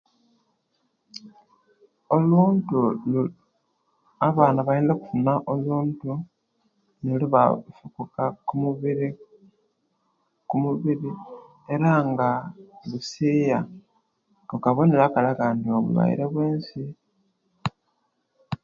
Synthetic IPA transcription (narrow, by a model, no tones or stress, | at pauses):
o̞luːntulu | aβaːnaβajeːndeku̥funaʔo̞luːntu | neluβafukukakumuβiɾi | kumuβiɾi | e̞ɾaŋɡaβusiːja | okaβoneɾakalakandioβṵβa̰ḭɾe̞βweːnsi